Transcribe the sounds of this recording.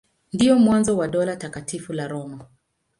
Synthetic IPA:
ndiɔmwanzɔwaɗɔlatakatifulaɾɔma

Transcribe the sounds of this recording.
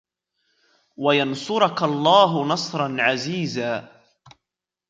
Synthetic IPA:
wajɑnsʊɾʊkalˤːɑːɦʊnɑsˤɾˤɑnʕaziːzaː

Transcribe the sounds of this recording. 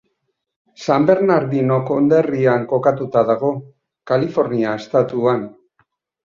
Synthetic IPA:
sambe̞ɾnaɾðino̞ko̞nd̪eriaŋko̞kat̪ut̪aðaɣ̞o̞ | kalifo̞ɾniaest̪at̪uan

